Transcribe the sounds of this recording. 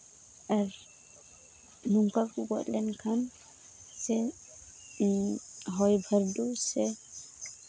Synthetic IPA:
aɾ | nuŋkakuɡɔtlɛnkʰam | sɛ | ɦɔjbʱəɾdusɛ

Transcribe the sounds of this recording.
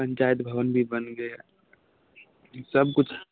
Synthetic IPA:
pə̃ɲt͡ʃaːjət̪bʱəʋənbʱibənɡə | səb̚kʊt͡ʃʰ

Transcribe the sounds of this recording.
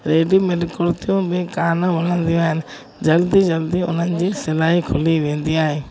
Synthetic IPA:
ɾeːɖimɪlɪkoɾt̪ijõbɪkaːnãʋɐl̤ə̃nd̪ijõaːɦɪnɪ̆ | d͡ʑɐld̪id͡ʑɐld̪iʊ̰n̤ənɪ̆d͡ʑiːsɪlaːɦikʰʊliʋẽːnd̪iaːɦeː

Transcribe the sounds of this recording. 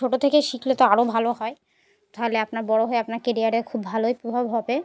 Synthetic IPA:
oʈot̪ʰekeʃiklet̪oaɾobʱaloɦɔe | t̪aɦoleapnaɾbɔɽoɦoeapnaɾkeɾiaɾeɾkʰubːʱalojpɾobʱabɦɔbe

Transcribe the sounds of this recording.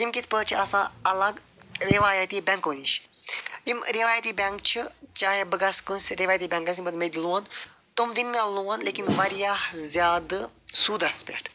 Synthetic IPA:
t̪imkit̪ʰpət͡ʃʰɐsãːɐlɐɡ | ɾiʋaːjɐt̪iːbʲɛŋkoːniʃ | imɾiʋaːjɐt̪iːbʲɐŋk̚t͡ʃʰit͡ʃaːɦebəɡɐskunsɾiʋaːjt̪iːbʲɐ̃ŋkɐs̬ʲibɐt̪med̪luːɐn | t̪umd̪inmẽluːɐnleːkinʋɐɾijahzʲjaːd̪suːd̪ɐspʲɛ̰ʈʰ

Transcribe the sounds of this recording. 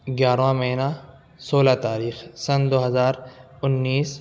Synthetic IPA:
ɡjaːɾʋãmɐɦna | soːlat̪aːɾiːxsɐnd̪oːɦɐzaːɾʊnːiːs

